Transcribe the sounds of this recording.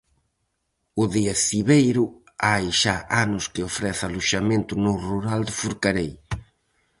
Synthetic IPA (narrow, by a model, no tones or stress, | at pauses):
ʊðiɐsiβejɾʊ | ajʃaʔanʊskɪofɾɛθaluʃamẽnt̪ʊnoruɾald̪ɪfuɾkaɾej